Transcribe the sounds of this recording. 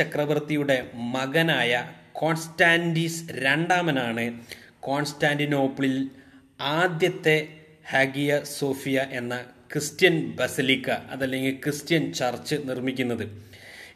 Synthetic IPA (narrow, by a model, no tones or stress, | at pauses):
t͡ɕɐkrɐʋɐrt̪ijuɽe̞mɐɣɐnaːjɐko̞ːnstaːndisɾeɳɖaːmɐnaːɳɨko̞ːnstaːndino̞ːpːɨɭil | aːd̪jɐt̪ːe̞ | hɐːɡijɐso̞ːfijɐʔe̞nːɐkrɨstjɐnbɐsilikːɐɐ̰ðɐlːe̞ŋɡilkrɨstjɐnt͡ɕɐrt͡ɕːɨnirmikʲːunːɐðɨ